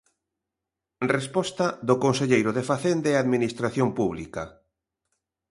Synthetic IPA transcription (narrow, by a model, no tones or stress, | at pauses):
respɔst̪aðokonseʎejɾoðefaθend̪eaðminist̪ɾaθjompuβlika